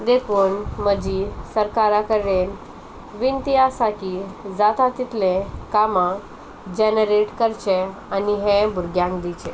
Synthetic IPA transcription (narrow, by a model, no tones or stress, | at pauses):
d̪ekʰuːnməd͡ʑisəɾkaɾakəɾɽen | ʋint̪iasakid͡zat̪at̪it̪lẽkamã | d͡ʑɛnəɾeʈkəɾt͡ɕeaniɦẽbʱuɾɡjãŋkd̪it͡ɕe